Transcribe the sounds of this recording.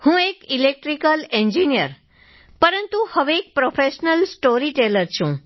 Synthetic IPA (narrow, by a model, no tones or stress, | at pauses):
hũekilek̚ʈɾikəlɛɲd͡ʒinijəɾ | pəɾənt̪ũhəʋeek̚pɾofeʃnəlsʈoɾiʈeləɾt͡ʃʰũ